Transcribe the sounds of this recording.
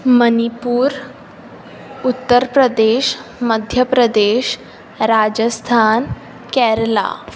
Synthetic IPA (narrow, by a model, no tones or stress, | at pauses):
mənipuːɾ | ut̪ːəɾpɾəd̪eɕməd̪ʱjəpɾəd̪eɕ | ɾad͡ʑəst̪ʰan | kɛɾla̰